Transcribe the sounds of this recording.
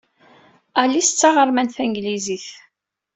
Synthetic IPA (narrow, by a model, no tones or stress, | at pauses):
ælːist͡sːaʁəɾmænθæŋɡliziθ